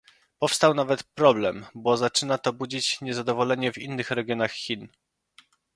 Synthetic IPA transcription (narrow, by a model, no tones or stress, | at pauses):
pɔfst̪awnavɛt̪pɾɔblɛmbɔzat͡ʂɘnat̪ɔbud͡ʑit͡ɕɲɛzad̪ɔvɔlɛɲɛvinːɘxɾɛɡʲjɔnaxxʲin